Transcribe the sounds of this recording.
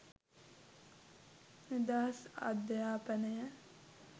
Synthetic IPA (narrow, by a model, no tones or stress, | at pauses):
nid̪aːɦɐsa̰d̪jaːpənəjə